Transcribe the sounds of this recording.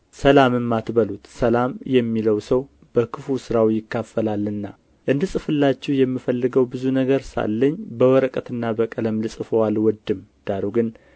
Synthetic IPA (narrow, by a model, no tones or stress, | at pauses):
səlamɨmːat̪bəlut̪səlamjɛmːiləwsəw | b̥əkʰɨfusɨɾawjɪkːafːəlalːɨnːa | ʔɨnd̪ɨsʼɨfɨlːat͡ʃːɛwjɛmːifəlːɨɡəwbɨzunəɡəɾsa̰lːəɲːbəwɔɾəkʼət̪ɨnːabəkʼələmlɨsʼɨfəwalwɔd̪ːɨmd̪̥aɾuɡɨn